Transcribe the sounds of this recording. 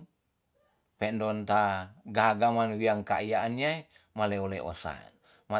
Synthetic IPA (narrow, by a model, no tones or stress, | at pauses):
pɛndɔnt̪aɡaɦaɡamanwiaŋkaijaːniae | maleolɛʔo̰sa̰n | ma